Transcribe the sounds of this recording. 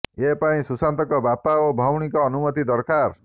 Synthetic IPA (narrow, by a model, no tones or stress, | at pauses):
epaĩsusant̪ɔkɔbapaobʱawɽ̃ikɔːnumɔt̪id̪ɔɾkaɾ